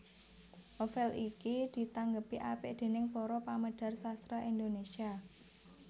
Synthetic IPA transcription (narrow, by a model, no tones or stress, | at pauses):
ʔofɛlikid̪̥i̤t̪aŋɡəpiʔapɪʔd̪̥e̤nɪŋpɔɾɔpaməɖ̪̥a̤rsast̪ɾaʔind̪onesia